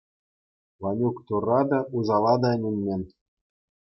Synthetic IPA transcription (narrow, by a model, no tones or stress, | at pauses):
ʋɑnʲukt̪urːɑd̪ɑʔuzɑlˠɑd̪ɑɘ̆nʲɘ̆nʲmʲenʲ